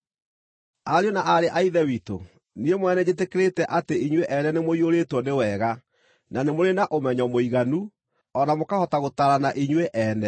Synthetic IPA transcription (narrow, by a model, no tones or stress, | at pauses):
aɾeonaʔaɾeʔaiðɛwito̰ | niemwɛnɛd͡ʑetekeɾetɛʔateiɲweʔɛnɛnemoioɾetwɔnewɛɣa | nanemoɾenaʔomɛɲɔmoiɣanu | ɔnamokahɔtaɣotaɾanaʔiɲweʔɛːnɛ